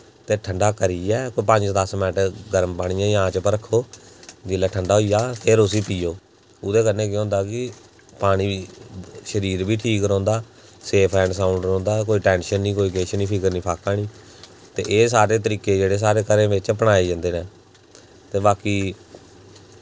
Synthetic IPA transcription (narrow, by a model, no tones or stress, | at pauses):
t̪eːʈʰəɳɖaːkəɾiːɛːkoːipə̃ɲd͡ʒd̪əsmɛːʈɡəɾəmpaːɽ̃ɪjãːjãːt͡ʃpəɾəkʰːoːd͡ʒɪlːaːʈʰəɳɖaːɦoijaːpʰeɾʊsiːpiːjoː | ʊd̪eːkənːẽːk̬jɦõːnd̪aːkɪ | paːɽ̃iː | ʃəɾiːɾbiːʈʰiːkɾɔ̃ːnd̪aː | seːpʰɛ̃ːɳɖsãːʊɳɖɾɔ̃ːnd̪aːk̬oːiːʈɛ̃ːnʃənːĩːkoːiːkeːʃənĩːpʰɪkəɾnĩːpʰaːkaːɽ̃iː | t̪ḛːʔeːsaːɾeːt̪əɾiːkeːd͡ʒeːɽeːs̬aːɾeːkəɾẽːʋɪt͡ʃːpəɽaːiːd͡ʒãːnd̪eːnɛː | t̪eːbaːkiː